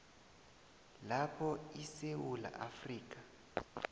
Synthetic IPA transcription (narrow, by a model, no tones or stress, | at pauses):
lapʰɔisewula̰ʔafriːk̬ʼa